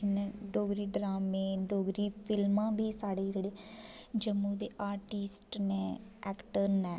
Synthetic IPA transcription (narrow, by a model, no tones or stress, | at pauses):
neːɖoːɡɾiːɖɾaːmẽːɖoːɡɾiːpʰɪlmãːbiːsaːɽeːd͡ʒeːɽeːd͡ʒəmːũːd̪eːʔaːɾʈisʈneːʔɛːkʈəɾnɛː